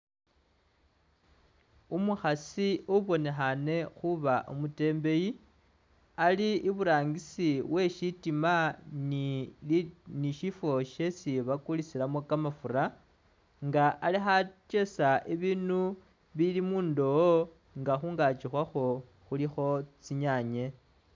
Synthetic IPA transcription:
umuxasiuβo̞ne̞xane̞xuβaʔumute̞ːmbe̞ji | aliːβuɾaːŋɡisiwe̞ʃitiman | niʃifo̞ʃe̞t͡siβakulisilamo̞kamafuɾa | ŋɡaʔalixat͡ʃe̞saʔiβinu | βilimuːndoo | ŋɡaxuːŋɡat͡ʃixwaxo̞ | xulixo̞t͡siɲaːɲe̞

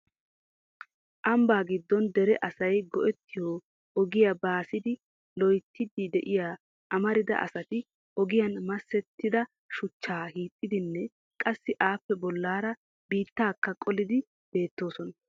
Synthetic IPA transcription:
ʔɐmbaːɡɪd̪ːɔnd̪ɛɾɛʔɐsɐjɡɔʔɛt̪ːɪjo | ɔɡɪjabaːsɪd̪ɪ | lɔjt̪ʰːɪd̪ɪd̪ɛʔɪjaː | ʔɐmɐɾɪd̪ɐ̰ʔɐ̰sɐt̪ɪ | ɔɡɪjɐnmɐsːɛt̪ːɪd̪ɐ | ʃʊt͡ʃːaːhiːt̪ʼːɪd̪ɪnːɛ | kʼɐsːɪʔaːpːɛbɔlːaːɾɐ | biːt̪ːaːkːɐkʼɔlɪd̪ɪ | b̥e̞ːt̪ːo̞ːsɔnɐ

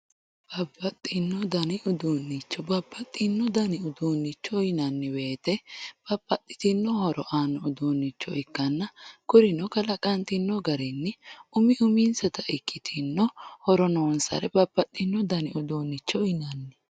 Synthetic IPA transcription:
b̥ɐbːɐt̪ʼːɪnːɔd̪ɐnɪʔʊd̪uːnːɪt͡ʃːɔbɐbːɐt̪ʼːɪnːɔd̪ɐnɪʊd̪uːnːɪt͡ʃːɔɪnɐnːɪweːt̪ɛb̥ɐbːɐt̪ʼːɪ̥t̪ɪnːɔhɔɾɔʔaːnːɔʊd̪uːnːɪt͡ʃːɔɪkːɐnːɐkʊɾɪnɔkɐlɐkʼɐnt̪ɪnːɔɡɐɾɛnːɪʊmɪʔʊminsɔt̪ɐʔɪkʰʼːɪt̪ʰɪnːɔhɔɾɔnoːnsɐ̰ɾɛbɐb̥ːɐt̪ʼːɪnːɔd̪ɐnɪʊd̪uːnːɪt͡ʃːɔɪnɐnːɪ

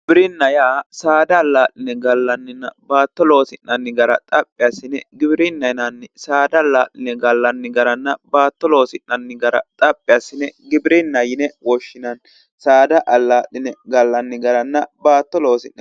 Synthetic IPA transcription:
bɪɾɪnːɐjaːsaːd̪ɐːlːaːʔɪnɛɡɐlːɐnːɪnːɐbaːt̪ːɔlo̞ːsɪnːɐnːɪɡɐɾɐ̰t̪ʼɐpʼːɪjasːɪnɛɡɪbɾɪnːɐjnɐnːɛsaːd̪ɐlːaːʔɪnɛɡɐlːɐnːɪɡɐɾɐnːɐbaːt̪ːɔlo̞ːsɪnːɐnːɪɡɐɾɐ̰t̪ʼɐpʼːɪjasːɪnɛɡɪbɪɾɪnːɐjɪnɛwɔʃːɪnɐn | saːd̪ɐʔɐlːaːʔɪnɛɡɐlːɐnːɪɡɐɾɐnːɐbaːt̪ːɔloːsɪnːɐ

